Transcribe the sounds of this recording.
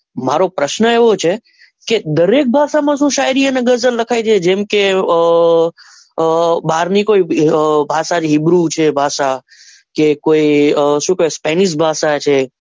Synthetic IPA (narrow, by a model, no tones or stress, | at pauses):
maɾopɾəʃnəeʋot͡ʃʰe | ked̪əɾek̚bʱaʃamãʃũʃajɾiəneɡəzəlləkʰajt͡ʃʰed͡ʒemke | baɾnikoibʱaʃad͡ʒɦibɾut͡ʃʰebʱaʃa | kekoiʃũkəospɛniʃ̬bʱaʃat͡ʃʰe